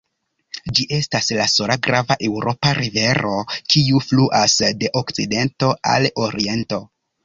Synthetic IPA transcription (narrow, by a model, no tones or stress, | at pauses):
d͡ʒiʔe̞staslasoɾaɡɾavaʔe̞wɾʔo̞paɾive̞ɾo̞kiufluʔasde̞ʔokt͡side̞nto̞a̰lo̞ɾie̞nto̞